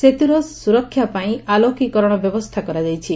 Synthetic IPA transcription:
set̪iɾɔsuɾɔkʰːjapaĩalokikɔɾɔɽ̃ɔbjɔbɔst̪ʰakɔɾad͡ʒajt͡ʃʰi

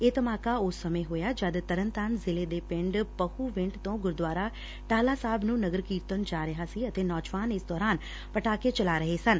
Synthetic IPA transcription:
eːt̪əmaːkaːʊsːəmẽːɦoːjaːd͡ʒəd̪t̪əɾənt̪aːnzɪleːd̪eːpɪ̃ɳɖpəhuːʋɪ̃ɳʈt̪õːɡʊɾd̪waːɾaː | ʈaːlaːsaːbnũːnəɡəɾkiːɾt̪ənd͡ʒaːɾɪɦaːsiːət̪eːnɔːd͡ʒʋaːnɪsd̪ɔːɾaːn | pəʈaːket͡ʃəlaːɾəɦeːsən

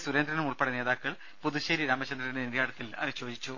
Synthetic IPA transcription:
suɾend̪ɾɐnɐmuɭpeɽeneːðaːkːɐɭ | puðuɕeːɾiɾaːmɐt͡ɕɐnd̪ɾɐindeniɾjaːɽɐt̪ːilɐ̰ɕo̞ːd͡ʑit͡ɕːu

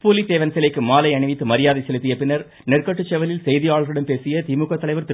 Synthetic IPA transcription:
puːlit̪eːʋɐnsɛlɐɪkːɯmːaːlɐɪɐɳɪʋɪt̪ːɯmɐɾɪjaːðɐɪsɛlɯt̪ːɪjɐpːɪnːɐɾ | nɛrkɐʈːɯt͡ʃːɛʋɐlɪlsɛjðɪjaːɭɐɣɾɪɽɐmpeːsɪjɐt̪imukːɐt̪ːɐlɐɪʋɐɾt̪ɪ

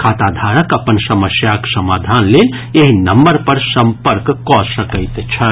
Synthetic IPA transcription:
kʰaːt̪aːd̪ʱaːɾəkɐpənsɐməsjaksɐmaːd̪ʱaːnleːn | eɦinɐmbəɾpɐɾsɐmpəɾkkɔsɐkəɪt̪t͡ʃʰɐ

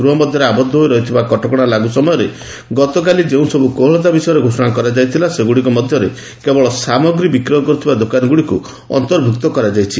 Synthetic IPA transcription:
ɡɾuɦɔmɔd̪ʱjɔɾeabɔd̪ʱːɔɦojɾɔɦit̪ʰibakɔʈɔkɔɽ̃alaɡusɔmɔjɔɾe | ɡɔt̪ɔk̬alid͡ʒeũsɔbukoɦɔɭɔt̪̬abisɔjɔɾeɡʱosɔɽ̃akɔɾad͡ʒajt̪ʰilaseɡuɽikɔmɔd̪ʱjɔɾe | kebɔɭɔsamɔɡɾibikɾɔɦɔkɔɾut̪ʰibad̪okanɔɡuɽiku | ɔ̰nt̪ɔɾbʱuk̚t̪ɔkɔɾad͡ʒajt͡ʃʰi

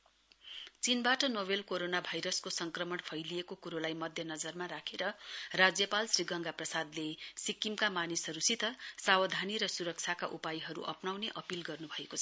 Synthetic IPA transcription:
t͡sinbaʈʌnobelkoɾonabʱajɾʌskosʌŋkrʌmʌɳpʰʌjliekokuɾolajmʌd̪ʱjʌnʌd͡zʌrmaɾakʰeɾʌrad͡zjʌpalsriɡʌŋɡaprʌsad̪lesikːimkamanisɦʌɾusit̪ʌsawʌd̪ʱaniɾʌsuɾʌk̚t͡sʰjakaʔupajɦʌɾṵʔʌpnawneʔʌpilɡʌrnubʱʌekot͡sʰʌ̥

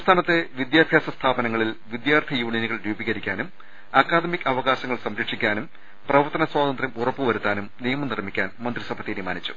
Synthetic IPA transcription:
ɐmst̪ʰaːnɐt̪ːe̞ʋid̪jaːbʱjaːsɐst̪ʰaːbɐnɐŋːɐɭilʋid̪jaːrt̪ʰijuːɳinuɣɐɭɾuːbiɣɐɾikʲːaːnum | ɐkːaːd̪ɐmikʲːɐʋɐɣaːɕɐŋːɐɭsɐmɾikʂikʲːaːnum | prɐʋɐrt̪ːɐnɐswaːd̪ɐnd̪rɐmurɐpːɨʋɐɾut̪ːaːnumnijɐmɐnirmikʲːaːnmɐnd̪risɐbʱɐt̪ːinimaːnit͡ɕːu̥

